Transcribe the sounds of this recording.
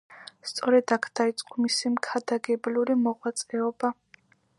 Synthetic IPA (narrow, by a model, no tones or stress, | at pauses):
st̪sʼɔɾɛd̪akʰd̪̥ait̪sʼqʼɔmisimkʰad̪aɡɛbluɾimɔʁwat̪sʼɛɔba